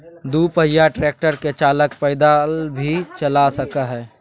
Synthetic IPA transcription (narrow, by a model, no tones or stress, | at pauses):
d̪uːpəɦjaʈɾeːk̚ʈəɾket͡ʃaːləkpɛɪd̪albʱit͡ʃəlasəkaɦɛː